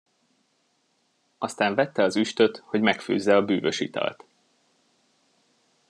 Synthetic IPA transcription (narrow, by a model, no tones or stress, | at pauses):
ɒst̪aːɱvɛt̪ːɛɒzyʃt̪ø̞t̪ho̞ɟmɛkfø̰ːzːɛɒbyːvø̞ʃit̪ɒ̰lt̪